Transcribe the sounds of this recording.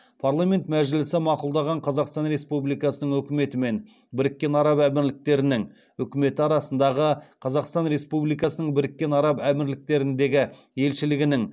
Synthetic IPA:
pʰaɾlˠamʲe̞nt̪mæʒɪlɪsɪmɑqulˠd̪ɑʁɑɴqʰɑzɑqst̪ɑnɾe̞spublijkɑsənəɴŋwɵkʲɪme̞t̪ɪme̞n | bɪɾɪkʲːe̞nɑɾɑpæmɪɾlɪk̚t̪e̞ɾɪnɪŋ | wɵkʲɪme̞t̪ɪɑɾɑsənd̪ɑʁəqʰɑzɑqst̪ɑnɾe̞spublijkɑsənəɴbɪɾɪkʲːe̞nɑɾɑpæmɪɾlɪk̚t̪e̞ɾɪnd̪e̞ɡʲɪ | je̞lʃɪlɪɡʲɪnɪŋ

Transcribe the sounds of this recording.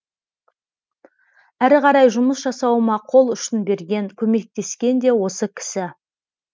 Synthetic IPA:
æɾʁɑɾɑjʒʊməsʒɑsɑwəmɑqʰo̞lˠʏʃɪnbe̞ɾɡʲe̞ŋkʲʰɵme̞k̚t̪e̞skʲe̞nd̪e̞wo̞səkʲʰɪ̥sɪ

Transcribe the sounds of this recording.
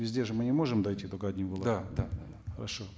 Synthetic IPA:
vʲɪzʲdʲeʐɨmɨnʲɪmo̞ʐɨmd̪ɐjtʲit̪oɡɐdʲnʲimvəlˠɐd̪ad̪ad̪ad̪axəɾɐ̰ʂo

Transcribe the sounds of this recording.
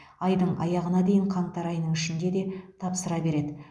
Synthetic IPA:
ɑjd̪əɴɑ̰jɑʁənɑd̪e̞jɪɴqʰɑɴt̪ɑɾɑjnəɴɪʃɪnd̪e̞d̪e̞t̪ʰɑpsəɾɑbe̞ɾe̞d̪ɪ

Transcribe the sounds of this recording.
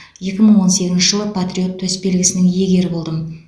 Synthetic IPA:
je̞kʲɪməɴwo̞nse̞kʲɪzʃɪ̥ʒəlˠəpʰat̪ɾʲio̞t̪ʰːɵsbe̞lɡʲɪsɪnɪŋje̞ɡʲe̞ɾɪbo̞lˠd̪əm

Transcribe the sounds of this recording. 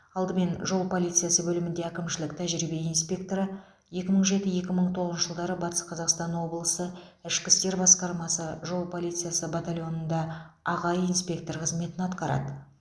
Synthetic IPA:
ɑlˠd̪əme̞nʒo̞lˠpʰo̞lˠit̪sɨjasəbɵlɪmɪnd̪e̞ækʲɪmʃɪlɪkt̪ʰæʒɾibe̞inspʲe̞k̚t̪o̞ɾə | je̞kʲɪməɴʒe̞t̪ɪje̞kʲɪməɴt̪ʰoʁəzəʒəlˠd̪ɑɾəbɑt̪ə̥sqʰɑzɑqst̪ɑnwo̞bəlˠəsəɪʃkʲɪst̪e̞ɾbɑsqɑɾmɑsəʒo̞lˠpʰo̞lˠijt̪sɨjasəbat̪alʲjo̞nənd̪ɑɑʁɑjinspʲe̞k̚t̪o̞ɾqʰəzme̞t̪ɪnɑt̪qɑɾɑ̰d̪ə

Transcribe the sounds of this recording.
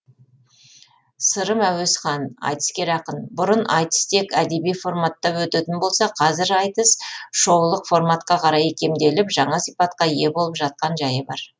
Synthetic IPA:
səɾəmæwesχɑnɑ̰jt̪ə̥skʲe̞ɾɑqənbʊɾənʔɑ̰jt̪ə̥st̪e̞kæd̪e̞bijfo̞rmat̪ːɑwɵt̪et̪ɪnbo̞lˠsɑqʰɑzɪɾɑjt̪əsʃo̞wlˠəqfo̞rmat̪qɑqʰɑɾɑjkʲe̞md̪e̞lɪpʒɑɴɑsijpɑt̪qɑje̞bo̞lˠəpʒɑt̪̚qɑnʒɑjəbɑɾ

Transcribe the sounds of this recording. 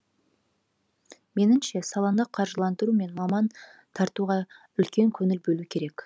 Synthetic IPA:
me̞nɪmʃe̞sɑlˠɑnəqʰɑɾʒəlˠɑnd̪əɾume̞nmɑmɑnt̪ʰɑɾt̪uʁɑ | ʏlkʲʰe̞ŋkʲʰɵnɪlbɵlukʲʰe̞ɾe̞k

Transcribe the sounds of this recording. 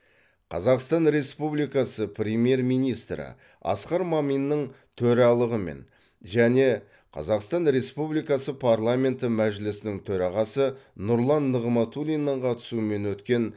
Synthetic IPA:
qʰɑzɑqst̪ɑnɾe̞spublijkɑsəpʰrʲemje̞rmijnijst̪ɾə̰ | ɑ̰sqɑɾmɑmijnːəɴ | t̪ʰɵɾɑlˠəʁəme̞̰n | ʒæne̞ | qʰɑ̰zɑqst̪ɑnɾe̞spublijkɑsəpʰarlˠamʲe̞nt̪əmæʒɪlɪsɪnɪŋt̪ʰɵɾɑʁɑsənʊɾlˠɑnːəʁəmɑt̪ulʲijnːɑɴqʰɑt̪ə̥suəme̞nwɵt̪kʲe̞n

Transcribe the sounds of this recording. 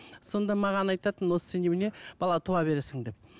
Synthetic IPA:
so̞nd̪ɑmɑʁɑnɑjt̪ɑt̪ənwo̞sə̥senebɪne̞b̥ɑlˠɑt̪ʰuɑbe̞ɾesɪŋd̪e̞p̚

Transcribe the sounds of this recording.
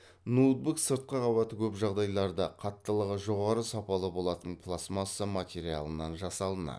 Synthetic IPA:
nud̪̚buksəɾt̪̚qəqʰɑβɑt̪əkʲʰɵpʒɑʁd̪ɑjlˠɑɾd̪əqʰɑt̪ːəlˠəʁəʒo̞ʁɑɾəsɑpɑlˠəbo̞lˠɑt̪əɴpʰlˠasmɑsəmat̪ʲe̞ɾia̰lˠənɑnʒɑsɑlˠənɑ̰

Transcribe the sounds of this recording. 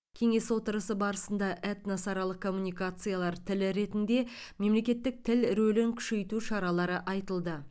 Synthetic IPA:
kʲʰe̞ŋe̞swo̞t̪əɾəsəbɑɾəsənd̪ɑʔæt̪nɑsɑɾɑlˠəq̚kʰːo̞mːunijkat̪sɨjalˠɑɾt̪ʰɪlɪɾe̞t̪ɪnd̪e̞me̞mle̞kʲe̞t̪ːɪk̚t̪ʰɪlɾɵlɪŋkʲʰʏ̥ʃe̞jt̪uʃɑɾɑlˠɑɾəʔɑjt̪əlˠd̪ə

